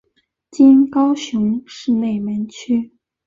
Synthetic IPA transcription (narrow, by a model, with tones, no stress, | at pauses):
t͡ɕi˥nkɑ˥ʊɕjʊ˧˥ŋʂɻ̩˥˧ne˥˩ɪmə˧˥nt͡ɕʰy˥